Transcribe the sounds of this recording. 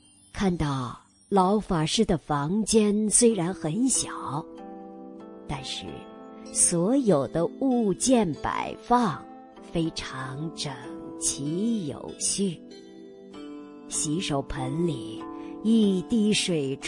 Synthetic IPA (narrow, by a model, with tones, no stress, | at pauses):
kʰa˥˧nt̪ɑ˥˩ʊ | lɑ˧˥ʊfa˨˩ʂɻ̩˥˩d̪ə˩fɑ˧˥ŋt͡ɕjɛ˥nswe˥ɪɻa˧˥nxə˧˥nɕjɑ˨˩˦ʊ | t̪a˥˧nʂɻ̩˥˩ | swɔ˧˥jo˨˩ʊd̪ə˦u˥˧t͡ɕjɛ˥˩npa̰˨˩ɪfɑ˥˧ŋ | fe˥ɪʈ͡ʂʰɑ˧˥ŋʈ͡ʂə˨˩ŋt͡ɕʰi˧˥jo̰˨˩ʊɕy˥˩ | ɕi˧˥ʂo˨˩ʊpʰə˧˥nli˨˩˦i˥˧t̪i˥˩ʂwe˨˩ɪʈ͡ʂ